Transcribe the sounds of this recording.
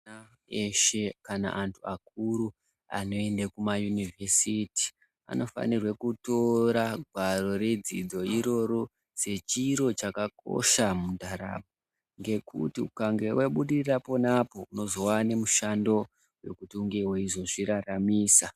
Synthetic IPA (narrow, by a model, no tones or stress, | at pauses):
a | eʃekana̰ʔantʰuak̚uɾu | a̰no̞e̞ndakumajunivʱesiti̥ | a̰no̞fa̰nirwekuto̞ɾaɡʱwaɾo̞ɾe̞d͡zid͡zo̞iɾo̞ɾo | se̞t͡ʃiɾo̞t͡ʃakako̰ʃamundʱaɾa̰ɓ̚o | ŋɡe̞kṵtiukaŋɡe̞wʔeɓuɗirrapo̞napo̞uno̞zowane̞muʃando̞ | we̞̰kutiuŋɡe̞ɦweiʐo̞ʐiɾaramiːsa